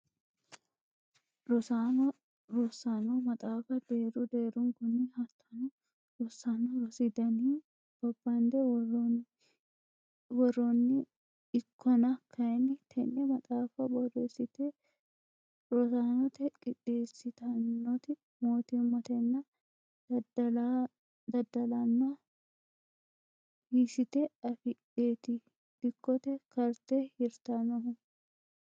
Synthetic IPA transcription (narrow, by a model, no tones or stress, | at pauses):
ɾɔsan | ɾɔsanɔmɐt̪ʼaːfɐd̪eːɾʊd̪eːɾʊŋkɔnːihɐt̪ʰːɐnɔ | ɾɔsːanɔɾɔsɪd̪ɐniː | b̥ɐbːɐnd̪ɛ | wɔrɔnːɪ | ɪkʰːɔnɐkʰːɐjɛnːɪt̪ʰɛnːɛmɐt̪ʼaːfɐbɔresɪt̪ɛ | ɔtanɔt̪ɛkʼɪᶑeːsɪt̪ɐnːɔt̪ɪ | moːt̪ɪmːɔt̪ɛnːɐ | la | d̪ɐd̪ɐlɐnːa | hisɪt̪ɛɐfɪᶑeːt̪ɪ | d̪̥ɪkːɔt̪ɛkɐɾt̪ɛhɪɾt̪anɔhʊ